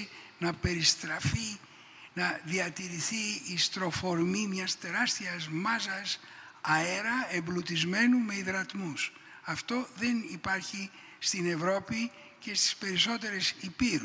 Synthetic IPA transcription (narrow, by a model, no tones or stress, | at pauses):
nɐpe̞ɾist̪ɾɐfi | nɐðiɐt̪iɾiθiːst̪ɾo̞fo̞ɾmimɲɐst̪e̞ɾɐst̪iɐzmɐzɐs | ɐe̞ɾɐemblut̪izme̞nume̞iðɾɐt̪mus | ɐft̪o̞ðe̞nipɐɾçi | st̪ine̞vɾo̞pi | ce̞st̪i̥spe̞ɾiso̞t̪e̞ɾesipiɾu